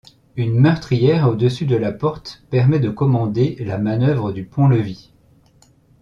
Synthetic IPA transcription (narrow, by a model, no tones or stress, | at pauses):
ynmœʁt̪χijɛʁod̪əsyd̪əlapɔʁt̪pɛʁmɛd̪əkɔmɑ̃d̪elamanœvʁəd̪ypɔ̃ləvi